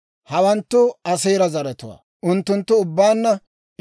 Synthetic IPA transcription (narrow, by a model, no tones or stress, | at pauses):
hɐwɐnt̪ːʊɐsejɾɐzɐɾɛt̪ʊwa̰ː | ʊnt̪ːʊnt̪ːʊːʊbːaːnːɐ